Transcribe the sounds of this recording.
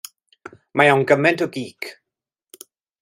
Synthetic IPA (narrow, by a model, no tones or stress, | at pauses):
majawnɡəmɛntɔɡiːkʰ